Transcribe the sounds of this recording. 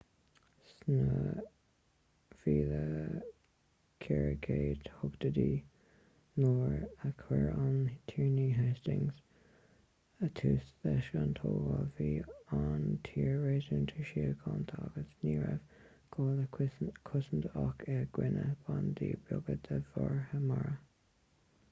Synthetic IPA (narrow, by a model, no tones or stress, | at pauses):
snə | fiːðə | kʰɛɹəɡʰeːd̪hʊɡd̪əd̪iː | noːɹəkʰwɛɹant̪ʰiːɹniːɦest̪ɪŋz | ət̪ʰuːsðɛʃɡant̪ʰoːɡəviːant̪ʰiːɹɹeːzuːnt̪ʰəʃiːkʰɑnt̪ʰaɡ̥əsniːɹɛv̥ | ɡ̥ʰoːləkʰʊsənd̪əɑkʰɪɡ̥wɪnəb̥and̪iːbʊɡəd̪əvɔɹhəmaɹə